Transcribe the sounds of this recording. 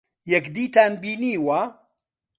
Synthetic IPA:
jɛkd̪iːt̪ʰaːnbiːniːwaː

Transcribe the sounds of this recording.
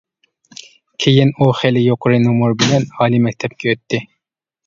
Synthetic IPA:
kʲʰejinuχelɪjoqʊɾɨnumuɾbɪlɛnɑːlˠimɛk̚ʲt̪ʰɛp̚kʲɛøt̪ʰːɪ

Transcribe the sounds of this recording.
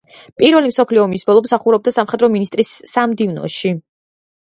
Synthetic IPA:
pʼiɾvɛlimsɔpʰliɔmisbɔlˠɔmsaχuɾɛb̚d̪asamχɛd̪ɾɔminist̪ʼɾisːamd̪ivnɔ̰ʃi

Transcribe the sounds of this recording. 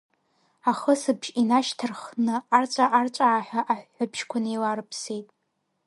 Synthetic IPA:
aχəsɨbʒinaʃtʰɨrχnɨart͡ʃʷʼaʔart͡ʃʷʼaːħᶣaʔaħːʷabʃkʷʰanelarɨpʰsejtʼ

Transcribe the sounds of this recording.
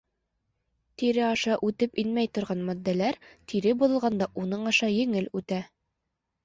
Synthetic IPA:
t̪iɾɘɑʃɑʔʉt̪ɘpinmæjt̪ŏɾʁɑnmɒd̪ːælæɾt̪ʰiɾɘbulɤ̆lˠʁɑnd̪ɑʔunɤɴɑʃɑjɘ̆ŋɘlʉt̪æ

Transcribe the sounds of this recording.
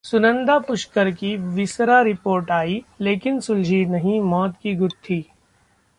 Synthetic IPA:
sʊnə̃nd̪apʊʃkəɾkiʋɪsɾaɾɪpoːɾʈaːileːkɪnsʊld͡ʒʱinɐɦĩmɔːt̪kiɡʊt̪ʰːiː

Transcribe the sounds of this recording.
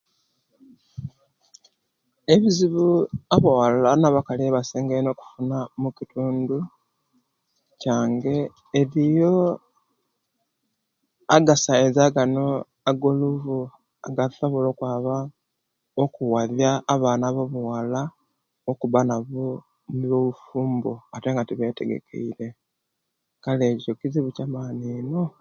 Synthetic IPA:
eβiziβuaβuwallanaβakaleβaseːŋɡeno̞ːku̥funamucituːndu | caːŋɡeː | ɾijo̞ | aɡasaezaːɡano | aɡoluvu | a̰ɡasoβolo̞ːkwaːβa | okuwaðjaːβaːnaβoβuwala | okuβanaβu | niβoβufuːmboate̞ːŋɡatiβe̞te̞̰ɡḛkʰe̞̰iɾe̞ | kaleːcicokiziβucamaːnino

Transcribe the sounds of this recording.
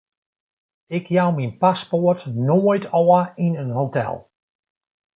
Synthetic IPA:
ɪkʰjawminpaspotnojtʰɔəinənhotɛ̰lˠ

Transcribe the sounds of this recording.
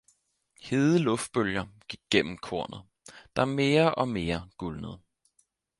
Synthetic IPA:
he̝ːðˠəlɔ̽fd̥̚b̥øljɐɡ̥iɡ̥̚ːen̰m̩kʰo̝ɐ̰nð̩ˠ | d̥ɑ̈me̝ːɐʔɒ̽me̝ːɐɡ̥ulnəð̞̩ˠ

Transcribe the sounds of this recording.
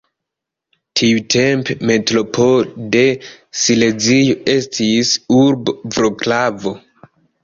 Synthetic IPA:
tʰiutʰe̞mpeme̞tɾo̞pʰode̞sile̞zijoe̞stʰisuɾbvɾoklavo̞

